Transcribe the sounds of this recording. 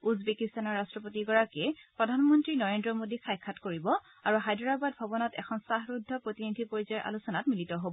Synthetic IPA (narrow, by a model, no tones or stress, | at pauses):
uzbekistanɔɹːastɹɔpotiɡɔɹakɛpɹɔdʱanmɔntɹinɔɹendɹɔmodikʰajkʰːatkoɹibɔ | aɹuɦajdɔɹabadbʱabɔnɔtɛ̰kʰɔnsaɦɹudʱːɔpɹotinidʱipoɹizɔjɹʔa̰lusɔnatmilitɔɦobɔ